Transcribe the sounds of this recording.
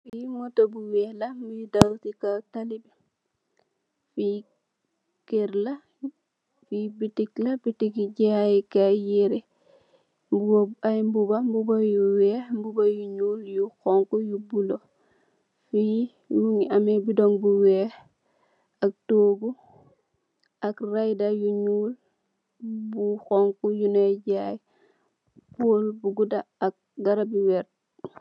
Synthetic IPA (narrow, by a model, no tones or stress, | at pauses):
fijiŋotobuwɛhlambujudalutikatalib | fi | keɾla | fibitiklabitikiɟeajikajiɾi | mbuaajmbubambubajuwɛmbubajuɲuljuxoŋkujubulo | fiji | muŋiamebidoŋbuwɛː | ak̚toːɡu | ʔakrajdajuɲuːl | buxoŋkujuneɟaj | poːlbuɡudaːk̚ɡaɾabiwɛɾ